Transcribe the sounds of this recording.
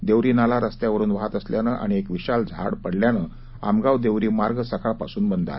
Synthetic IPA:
d̪eʋɾiːnalaɾəst̪jaʋəɾuːnʋaɦat̪əsljanəːʔa̰ɽ̃iekʋiɕald͡zʱa̰ɽpəɽljanəː | a̰mɡawd̪eʋɾiːmaɾɡəsəkʰaɭpa̰suːnbənd̪a̰

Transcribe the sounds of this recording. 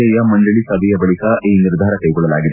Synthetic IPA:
ɛjɐmɐɳɖɐɭisɐbʱɛjɐbɐɭikɐʔiːniɾd̪ʱaːɾɐkɐjɡɔɭːɐlaːɡid̪e

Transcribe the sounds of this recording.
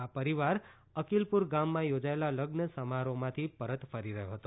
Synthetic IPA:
apəɾiʋaɾ | əkilpuɾɡamːãjod͡ʒaelaləɡnəsəmaɾomãt̪ʰipəɾət̪fəɾiɾəɦjoɦət̪o

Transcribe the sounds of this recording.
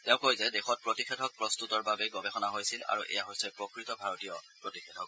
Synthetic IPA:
tɛʊ̃kojzɛdexɔt̚pɹotixɛtʰɔk̚pɹɔst̪utɔɹbabɛɡɔbɛxɔnaɦojsila̰ɹuʔɛ̰jaɦojsɛpɹɔkɹitɔbʱaɹɔtijɔpɹotixʰɛtʰɔk̚

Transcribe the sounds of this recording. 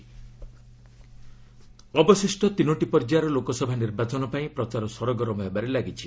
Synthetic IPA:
ɔbɔsisʈɔt̪inoʈipɔɾd͡ʒaɾɔlokɔsɔbʱaniɾbat͡ʃɔnɔpaĩpɾɔt͡ʃaɾɔsɔɾɔɡɔɾɔmɔɦebaɾelaɡit͡ʃʰi

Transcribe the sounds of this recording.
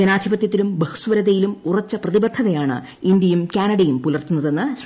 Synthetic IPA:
d͡ʑɐnaːd̪ʱjibɐt̪jɐt̪ːilumbɐhu̥sʋɐɾɐðejilumurɐt͡ɕːɐprɐðibɐd̪ʱːɐðɐjaːɳɨ̰ | ind̪jɐjumkʲaːnɐɽɐjumpulɐrt̪unːɐðe̞nːɨ

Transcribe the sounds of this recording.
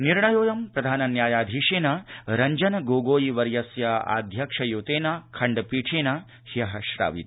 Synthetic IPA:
niɾɳɐjoːjɐmpɾɐd̪ʱaːnɐnjaːjaːd̪ʱiːʂeːnaɾɐɲd͡ʒɐnɐɡoːɡoːjiʋɐɾjɐsjɐa̰ːd̪ʱjɐkʂɐjoːt̪eːnakʰɐɳɖɐpiːʈʰeːnaː | hiɐɦɐʃɾa̰ːʋḭt̪

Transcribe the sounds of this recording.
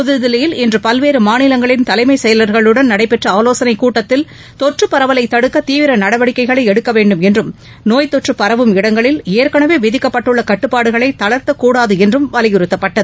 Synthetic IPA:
pʊðɯðɪlɐjɪlɪndrɯpɐlʋeːɾɯmaːnɪlɐŋɡɐɭɪnt̪ɐlɐɪmɐɪsɛjɐlɐɾɣɐɭɯɽɐnnɐɽɐɪpɛʈrɐaːloːsɐnɐɪkːuːʈːɐt̪ːɪl | t̪ɔʈrɯpːɐɾɐʋɐlɐɪt̪ːɐɽɯkːɐt̪iːʋɪɾɐnɐɽɐʋɐɽɪkːɐɪɣɐɭɐɪɛɽɯkːɐʋeːɳɖɯmɛndrɯm | noːjt̪ɔʈrɯpːɐɾɐʋɯmɪɽɐŋɡɐɭɪleːɾkɐɳɐʋeːʋɪðɪkːɐpːɐʈːɯɭːɐkɐʈːɯpːaːɽɯɣɐɭɐɪt̪ɐɭɐɾt̪ɐkːuːɽaːðɯɛndrɯmʋɐlɪjɪɾɯt̪ːɐpːɐʈːɐðɯ

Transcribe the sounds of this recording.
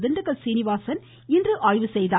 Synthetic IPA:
ðɯnɖɐɣɐlsiːnɪʋaːsɐn | ɪndrɯʔaːɻʋɯsɛjðaː

